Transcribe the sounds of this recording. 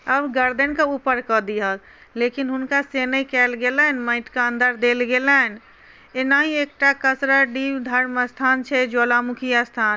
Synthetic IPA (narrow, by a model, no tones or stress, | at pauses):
əbɡəɾd̪ənkəupəɾkəd̪ijəl | lekinɦʊnkasenəikɛlɡelənmə̃ɪʈkaə̃nd̪ʱəɾd̪elɡelən | enaɦiek̚ʈakəsɾəɖibd̪ʱəɾməst̪ʰaːnt͡ʃʰɛd͡ʒolamukʰijast̪ʰaːn